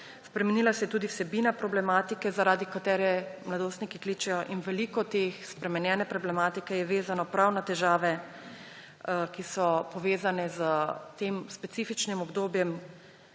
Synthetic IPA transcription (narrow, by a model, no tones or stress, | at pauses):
spɾɛmɛnilasɛjɛt̪uːd̪iwsɛbinapɾɔblɛmaːt̪ikɛzaɾaːd̪ikat̪ɛːɾɛmlad̪oːst̪nikikliːt͡ʃɛjɔʔinʋɛlikɔt̪exspɾɛmɛnjɛnɛpɾɔblɛmaːt̪ikɛjɛʋeːzanɔpɾawnat̪ɛʒaːʋɛ | kisɔpɔʋeːzanɛzət̪eːmspɛt̪siːfit͡ʃnimɔbd̪oːbjɛm